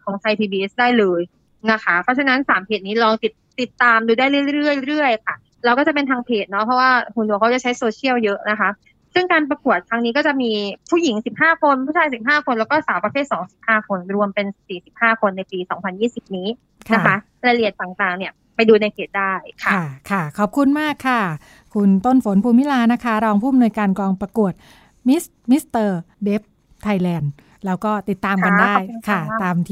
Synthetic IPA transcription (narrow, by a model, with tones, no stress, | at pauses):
kʰɔː˩˦ŋt̪ʰa˧jp̪ʰiː˧biː˧ʔe˦˥sdaː˥˩jlɤː˧j | na˦˥kʰa˦˥pʰɾɔ˧˦˥t͡ɕʰa˧na˦˥nsaː˩˦mpʰeː˨˩t̪̚niː˦˥lɔː˧ŋt̪i˨˩t̪̚ːi˨˩t̪ːaː˧mduː˧daː˥˩jɾɯ˥˩˥ɾɯ˥˩əjɾɯ˥˩əjkʰa˥˩ | lɛ˧wkɔː˥˩t͡ɕa˨˩pe˧nt̪ʰaː˧ŋpʰeː˨˩t̪̚nɔ˦˥pʰɾɔ˦˥waː˥˩hu˨˩nu˨˩˦kʰa˦˥wt͡ɕa˨˩t͡ɕʰjsoː˧t͡ɕʰi˥˩əwjɤ˦˥ʔna˦˥kʰa˦˥ | sɯ˥˩ŋkaː˧npɾa˧ku˨˩ət̪ʰːa˦˧˥ŋniː˦˥kɔː˥˩t͡ɕa˨˩miː˧pʰuː˥˩ji˩˦ŋsi˨˩p̚haː˥˩kʰo˧npʰuː˥˩t͡ɕʰaː˧jsi˨˩p̚ɦaː˥˩kʰo˧nlɛ˦˥wkɔː˥˩saː˩˦wpɾa˧pʰeː˥˩t̪̚sɔː˩˦ŋsi˨˩p̚haː˥˩kʰo˧nɾu˧əmpe˧nsiː˨˩si˨˩p̚haː˥˩kʰo˧nːa˧jpiː˧sɔː˩˦ŋpʰa˧njiː˥˩si˨˩p̚niː˦˥ | kʰna˦˥kʰa˦˥ | ɾa˧li˨˩ət̪ːaː˨˩ŋt̪aː˨˩ŋni˥˩ɐ | pa˧jduː˧na˧jpʰeː˨˩t̪̚da˥˩jkʰa˩˥˩kʰa˥˩kʰɔː˨˩p̚kʰu˧nmaː˥˩kʰːa˥˩ | kʰu˧nt̪o˥˩nfo˩˦npʰuː˧mi˦˥laː˧na˦˥kʰa˦˥ɾɔː˧ŋpʰuː˥˩˨mnu˧jkaː˧nklɔː˧ŋpɾa˧ku˨˩ət̪̚ | mi˦˥s | mi˦˥st̪ɤː˧de˦˥p̚ | t̪ʰa˧jlɛː˧n | lɛː˦˥wkɔː˥˩t̪i˨˩t̪ːaː˧mka˧ndaː˥˩jkʰa˥˩t̪aː˧m